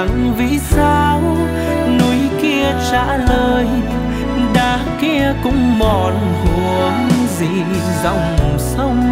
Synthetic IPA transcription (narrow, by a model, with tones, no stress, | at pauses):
ŋvḭ˧˥saː˧w | nu˧˦jki˧ət͡ɕa̰ː˧˥ləː˨˩j | ɗaː˨˩ | ki˧əkʊ̰˧˥ŋ͡mmɔ˨˩n | hu˨˩˨əəŋzḭ˧˨ | zɔ̰˧˨wŋ͡msə˧wŋ͡m